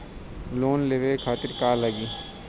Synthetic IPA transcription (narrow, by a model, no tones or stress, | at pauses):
loːnleʋekʰaːt̪ɪɾkaːləɡiː